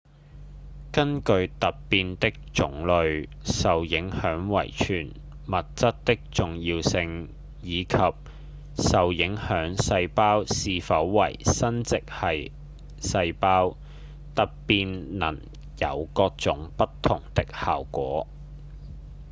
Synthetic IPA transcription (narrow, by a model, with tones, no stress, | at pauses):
kɐ˥nkɵ˧ɥt̪ɐ˨p̚piː˧nt̪ɪ˥k̚t͡sʊ˨˥ŋlɵ˨˧ɥ | sɐ˨wjɪ˨˥ŋhœː˨˥ŋwɐ̰˨˩jt͡ʃʰyː˨˩n | mɐ˨t̚t͡sɐ˥t̚t̪ɪ˥k̚t͡sʊ˨ŋjiː˧wsɪ˧ŋ | jiː˨˧kʰɐ˨p̚ | sɐ˨wjɪ˨˥ŋhœː˨˥ŋsɐ˧jpaː˥wsiː˨˧fɐ˨˥wːɐ̰˨˩jsɐ˥nt͡sɪ˨k̚hɐ˨j | sɐ˧jpaː˥w | t̪ɐ˨p̚piː˧nnɐ̰˨˩n | jɐ̰˨˧wkɔː˧k̚t͡sʊ˨˥ŋpɐ˥t̚t̪ʰʊ˨˩ŋt̪ɪ˥k̚ha̰ː˨wkʷɔː˨˥